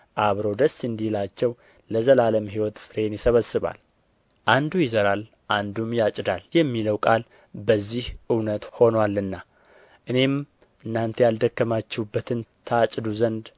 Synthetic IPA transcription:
ʔaβɾowd̪əsːɨnd̪ihlat͡ʃːɛw | ləzəlaləmhiwɔt̪fɨɾe̞njɪsəβəsːɨβa̰l | ʔand̪ujɪzəɾal | ʔand̪umjat͡ʃʼd̪aljɛmːiləwkʼal | bəzːihʔɨwnət̪ho̞nwalːɨnːa | ʔɨne̞m | ʔɨnːant̪ʰejald̪əkːəmat͡ʃːɛbːət̪ʰɨnt̪ʰəat͡ʃʼd̪uzənd̪

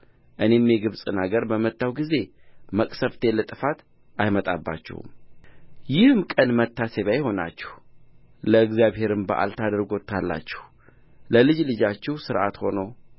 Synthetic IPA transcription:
ʔɨne̞mjeɡɨβsʼɨnaɡəɾbəmət̪ːawɡize̞məkʼsəft̪ʰe̞lət̪ʼɨfat̪ | ajmət̪ʼabːa̰t͡ʃːɛ̰hṵm | jɪhɨmkʼənmət̪ːaseβajho̞na̰t͡ʃːɛ̥h | ləɨɡzjaβhe̞ɾɨmbəʔa̰lt̪ʰad̪ɾɡo̞t̪ʰːalːa̰t͡ʃːɛ̥h | ləlɨd͡ʒlɨd͡ʒat͡ʃːɛhsɨɾʔat̪ho̞nəw

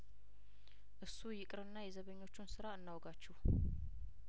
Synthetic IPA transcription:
ʔɨsːujɪkʼɾɨnːajɛzəβəɲːo̞t͡ʃːunsɨɾaɨnːawɡat͡ʃːɛh

